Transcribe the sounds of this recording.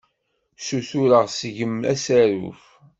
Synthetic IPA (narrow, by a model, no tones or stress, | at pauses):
suθuɾəʁsəʝəmæ̰sæɾṵf